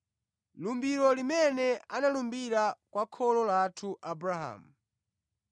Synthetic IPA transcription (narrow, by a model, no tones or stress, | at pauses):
lumbiɾɔlimɛnɛanalumbiɾakwakʰɔlɔlatʰuʔabuɾaha̰mu